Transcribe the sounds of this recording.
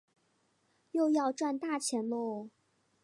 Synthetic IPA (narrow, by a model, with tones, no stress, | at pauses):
jo˥˧ʊjɑ˥˧ʊʈ͡ʂwa˥˧nt̪a˥˩t͡ɕʰjɛ˧˥nlɔ˥˩